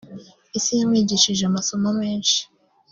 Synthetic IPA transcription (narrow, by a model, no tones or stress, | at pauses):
isijamŋiːɟiʃiʒeamaso̞mame̞ːnʃi̥